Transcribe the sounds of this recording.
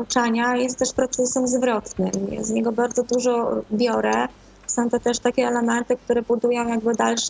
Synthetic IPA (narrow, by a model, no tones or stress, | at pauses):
ut͡ʂaɲajɛst̪t̪ːɛʂpɾɔt̪sɛsɛmzvɾɔt̪nɘmjɛ̰zɲɛɡɔbaɾd̪zɔd̪uʐɔbʲjɔɾɛ | sɔ̃w̃t̪ɔt̪ɛʂt̪akʲɛɛlɛmɛnt̪ɘk̚t̪uɾɛbud̪ujɔ̃w̃jaɡbɘd̪alʂ